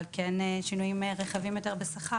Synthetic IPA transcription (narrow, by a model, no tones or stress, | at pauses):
lkenʃinujimʁeχavimjot̪e̞ʁbesaχa